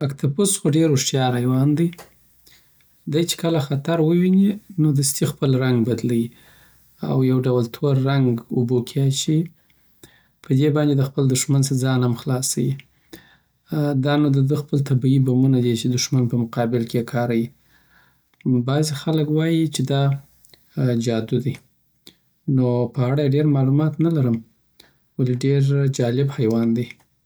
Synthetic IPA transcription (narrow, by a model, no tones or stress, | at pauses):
akt̪ʰapʊsxoɖeɾʊʂt̪jɑɾajwɑnd̪ə | d̪ajt͡ʃe̥kəlaxat̪aɾwəwininod̪əst̪ixpəlɾaŋɡbad̪lawi | a̰wjawɖawalt̪ʰoɾːaŋɡʊbokʰeaʃi | pʰəd̪ebɑnd̪ed̪əxpəld̪ʊʃmansəd͡zɑnhamxlɑsawi | d̪ɑnod̪əd̪əxpəlt̪abiibamunad̪et͡ʃed̪ʊʃmanpəmʊqɑbɪlkeekʰɑɾawi | bɑzixaləkwɑjit͡ʃed̪ɑ | d͡ʒɑd̪ud̪i | nopəaɽajɖeɾmɑlumɑt̪nalaɾəm | waliɖeɾd͡ʒɑlɪbhajwɑnd̪e